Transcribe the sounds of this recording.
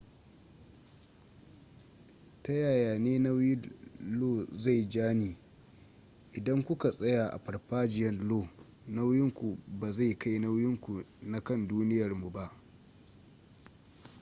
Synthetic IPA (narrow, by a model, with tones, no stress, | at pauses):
ta˦jaː˨jaː˨neː˦na˦wjɪ˦loː˦˨za˦˨jd͡ʒaː˦niː˨ | ʔɪ˨dɐ˦ŋkʷʊ˦ka˨sʼɐ˦jaː˨ʔa̰˨ɸɐ˨rɸaː˦d͡ʒɪ˨jɛ˦nloː˦˨ | na˦wjɪ˦ŋkʷu˨baː˨za˦˨jka˦jna˦wjɪ˦ŋkʷu˨ | na˦kɐ˦nduː˦nɪ˦jɐ˨rmu˨ba˦ʔ